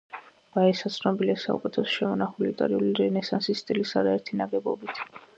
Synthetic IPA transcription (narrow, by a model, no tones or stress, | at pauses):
v̥aɛsat̪sʰnɔbiliasa̰ṵkʼɛt̪ʰɛsʃɛmɔnaχulit̪ʼa̰ɾiuliɾɛnɛsansist̪ʼilisaɾaɛɾt̪ʰinaɡɛbɔ̰bit̪ʰ